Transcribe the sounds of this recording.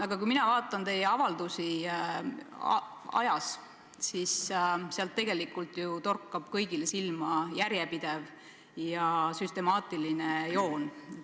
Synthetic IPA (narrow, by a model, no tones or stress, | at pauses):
ɑɡ̥ɑkujminɑvɑːt̪ːˑɑnt̪e̞jːeɑvɑld̪usi | ɑ̰jɑs | sisseɑlt̪ːe̞ɡ̥e̞likːˑult̪ˑjut̪o̞rkːɑb̥kɤjɡ̥ilesilmɑjæɾjepid̪̥e̞v | jɑsyst̪e̞mɑːt̪ˑilinejo̞ːn